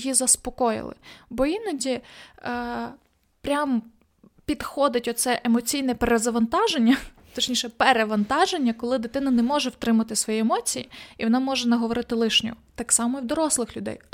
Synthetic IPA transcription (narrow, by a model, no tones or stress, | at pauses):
jizɐspɔkɔjɪ̰lˠɪ̰bɔinɐdʲi | pɾʲam | pʲid̪xɔd̪ɪtʲɔsɛʔemɔt͡sʲijnɛpeɾezɐʋɐnt̪ɑʒenʲːɐ | t̪ɔt͡ʃnʲiʃɛpeɾeʋɐnt̪ɑʒenʲːɐkɔlˠɪd̪ɪt̪ɪnɐnɛmɔʒɛwt̪ɾɪmɐt̪ɪsʋɔjiɛmɔt͡sʲijiiʋɔnɑmɔʒɛnɐɦɔʋɔɾɪt̪ɪlˠɪʃnʲɔ̰ɔt̪ɑksɑmɔiwd̪ɔɾɔslˠɪxlʲʊd̪ɛ̰j